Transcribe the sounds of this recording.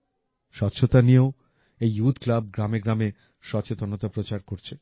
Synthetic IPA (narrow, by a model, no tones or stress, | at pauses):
ʃɔtːɕʰot̪anieo | ejut̪ʰklab̚ɡɾameɡɾame | ʃɔt͡ɕet̪onot̪apɾot͡ɕaɾkoɾt͡ɕʰe